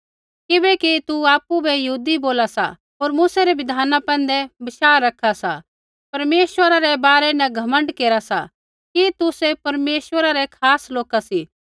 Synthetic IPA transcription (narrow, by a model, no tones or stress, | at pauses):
kɪbɛkit̪uaːpːubɛjɐɦuːd̪iboːlasa̰ | ɦoːɾmusaɾɛʋɪd̪ʱaːnapɛ̃ːn̆d̪ɛbɐʃaːɾːɐkʰasa̰ | pɐɾmeːswəɾaɾɛbaːɾɛnɛɡʱɐmə̃ɳɖkeːɾasa̰ | kit̪ʊsepɐɾmeːswəɾaɾɛkʰaːsloːkasi